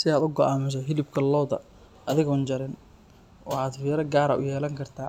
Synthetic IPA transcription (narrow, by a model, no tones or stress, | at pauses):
sɪaːd̪ʊɡɔʔaːmɪs̬ɔɦɪlɪb̚kʰɐlɔːd̪ɐ̰ | ɐðɪɣʊnd͡ʒɐɾɪn | ɑħɑːd̪fiːɾɐɡaːɾɐ̰ʔʊ̰jɛːlɐŋkʰɐrt̪ʰaː